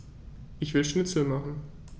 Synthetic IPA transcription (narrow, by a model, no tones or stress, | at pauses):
ʔɪçv̥ɪlʃnɪt͡sl̩maχn̩